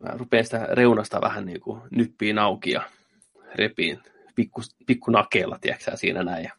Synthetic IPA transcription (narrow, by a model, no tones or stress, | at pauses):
mæ̰rupeːnsi̥t̪æreunɑst̪ɑ̰ʋʔæ̰hænniːkunypːiːnɑukijɑ̰ | repiːn | pikːupikːunɑkeːlːɑt̪iæksæ̰ːsiːnʔænæijɑ